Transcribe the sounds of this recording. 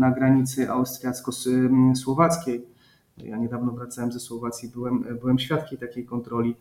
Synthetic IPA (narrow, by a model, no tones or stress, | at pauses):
naɡɾaɲit̪sɘʔa̰wst̪ɾʲjat̪skɔswɔvat̪skʲej | ja̰ɲɛd̪avnɔvɾat̪sawɛmzɛswɔvat̪sʲjibɘwɛmbɘwɛmɕfʲjat̪kʲejt̪akʲejkɔnt̪ɾɔlʲi